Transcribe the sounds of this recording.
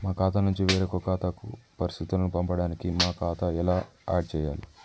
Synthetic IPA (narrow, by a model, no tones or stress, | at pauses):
maːkaːt̪anuɲt͡ʃiʋɛːɾɐkokaːt̪akṵpɐɾist̪ʰit̪ulɐnupɐmpɐɽaːnikimaːkaːt̪aɛlaːa̰ːɖt͡ʃɛːja̰ːli